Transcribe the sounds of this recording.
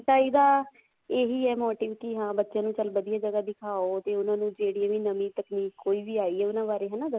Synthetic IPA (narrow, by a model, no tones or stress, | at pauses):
ʈ̪aːiːd̪aː | eːɦiːɛːmoːʈɪːʋʈiːɦãːbətːʃjãːnũːt͡ʃəlbəd̪ijaːd͡ʒəɡaːd̪ɪkʰaːoːt̪eːʊnãːnũːd͡ʒeːɽijãːʋiːnəmiːt̪əkniːkːoːiːʋiːaːiːɛːʊnãːʋaːɾeːɦɛ̃ːnaːd̪ə